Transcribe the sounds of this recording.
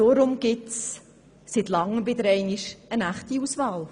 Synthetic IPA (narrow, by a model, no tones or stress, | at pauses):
oɾʊmɡ̥ɪts | sitlɑŋːəbɪd̪əɾɛɪniʃənæχtiusvɑːl